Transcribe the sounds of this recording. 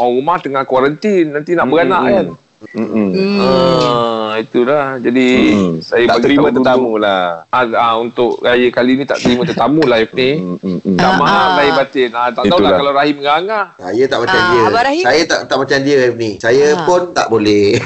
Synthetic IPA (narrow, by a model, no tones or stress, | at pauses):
ɔɣumaht̪əŋahkwaɾənt̪inːant̪inaʔbəɡanaʔjan | ə | it̪ulahd͡ʒadisajəpaɡ̪iɾiamt̪ət̪amũlaaaunt̪ʊʔɾajəkalinĩt̪a̰ʔt̪əɾimə̃t̪ət̪amulajfnit̪amalaibat̪ɪnat̪aʔ̪aulakalawɾaɦiməŋaŋasa̰jət̪aʔmat͡ʃamdiəaasajət̪a̰ʔt̪aʔmat͡ʃamdiəajfnisajəpʊnt̪a̰ʔbolɛh